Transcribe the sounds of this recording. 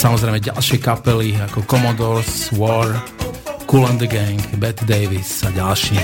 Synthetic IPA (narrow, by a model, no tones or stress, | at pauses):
samɔzɾɛɪmɛɟa̰lʃɪɛkapɛliakɔkɔmɔd̪ɔɾsswɔɾ | kulɛnd̪əɡɛŋkbɛt̪d̪ɛɪʋisaɟalʃi